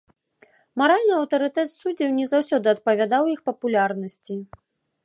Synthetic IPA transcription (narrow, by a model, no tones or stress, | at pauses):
maɾalʲnɨɐwt̪ɐɾɨt̪ɛt̪sud͡zʲɛwnʲɛzawsʲɔd̪ɨɐt̪̚pɐvʲad̪awjixpɐpulʲarnɐsʲt͡sʲi